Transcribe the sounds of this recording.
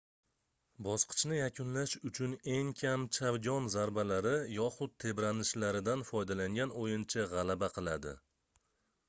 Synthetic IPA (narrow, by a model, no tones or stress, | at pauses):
bɒsqʰɨ̥t͡ʃʰnɪjakʲʰʊnlaʃʊt͡ʃʰʊne̞ŋkʲʰamt͡ʃʰavɡʲɒnzaɾbalaɾɪjɒχʊd̪̚t̪ʰe̞bɾanɪʃlaɾɪd̪anfɒjd̪alaŋɡʲanojɪnt͡ʃʰaʁɑlabaqʰɨlˠad̪ɪ̰